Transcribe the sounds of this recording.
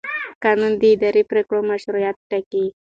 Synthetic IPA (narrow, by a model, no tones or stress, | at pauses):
kanund̪əːd̪aɾipɾekɽomaʃɾujat̪̚ʈaki